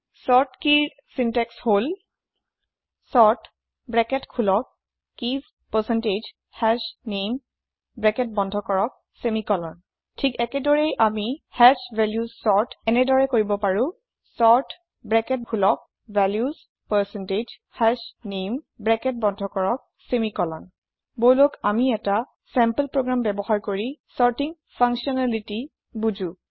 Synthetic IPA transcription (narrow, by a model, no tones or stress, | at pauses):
sɔɹtkiɹ | sintɛkshol | sɔɹt | bɹɛkɛtkʰulɔk̚ː | iz | pəsɛnted͡ʒ | hɛsnem | bɹɛkɛt̚bɔndʱɔkɔɹɔk̚ | semikɔlɔn | tʰikɛkɛdɔɹejʔamihɛʃvɛljuzsɔɹtɛnɛdɔɹɛkoɹibɔpaɹʊ̃ | sɔɹt | bɹɛkɛt̚hʰulɔk̚ | bɛljuz | pɛsɛnted͡ʒ | hɛsnembɹɛkɛt̚bɔndʱɔkɔɹɔk̚ | semikɔlɔn | bojlokamiɛta | sɛmpəlpɹoɡɹambɛbɔhaɹkoɹisɔɹtiŋ | pʰãŋksiɔnaliti | bud͡ʒũ